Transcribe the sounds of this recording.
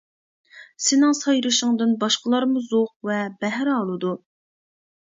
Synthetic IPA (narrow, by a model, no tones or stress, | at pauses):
sɪnɪŋsɑjɾɨʃəŋd̪ɨnbɑʃqəlˠɑɾmuzoq̚vɛbɛɦɾɑlˠɨd̪u